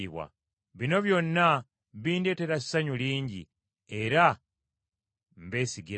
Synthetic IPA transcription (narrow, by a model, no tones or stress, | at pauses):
iβwa̰ | βino̞βjo̞nːa | βiːnde̞te̞ɾassaɲuliːɲɟḭ | e̞ɾa | m̩be̞ːsiɡi